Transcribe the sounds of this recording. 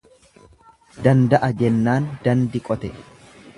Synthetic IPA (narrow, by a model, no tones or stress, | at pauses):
d̪ɐnd̪ɐʔɐd͡ʒɛnːaːnd̪ɐnd̪ɪkʼɔt̪ɛ